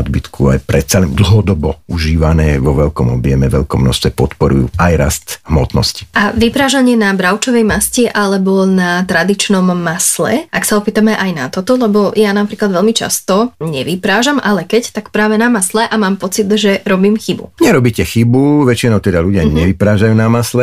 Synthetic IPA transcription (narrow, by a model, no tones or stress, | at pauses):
d̪bit̪kʰua̰jpɾɛt̪t͡salɛnd̪l̩ˠɦɔd̪ɔbɔuʒiːʋanɛːʋɔʋɛʎkɔmɔbɪjɛmɛʋɛʎkɔmnɔ̰ʃst̪ʋɛpɔt̪pɔɾṵjṵajɾa̰st̪hmɔt̪nɔ̰sci̥ʔaʋipɾaːʒaɲɪɛnabɾaʊt͡ʃɔʋɛjmascɛʔalɛbɔnat̪ɾad̪it͡ʃnɔmːaslɛ̰ʔaksaɔpiːt̪amɛʔajnat̪ɔt̪ɔlɛbɔjanapɾiːklˠad̪ʋɛlmit͡ʃa̰st̪ɔɲɛʋipɾaːʒamʔalɛkɛct̪akpɾaːʋɛnamaslɛʔamaːmpɔt͡sid̪ʒɛɾɔbiːmxibṵɲɛɾɔbiːcɛxibuʋɛt͡ʃinɔʊt̪ɛd̪aluɟɪaɲɛʋipɾaːʒajuːnamaslɛ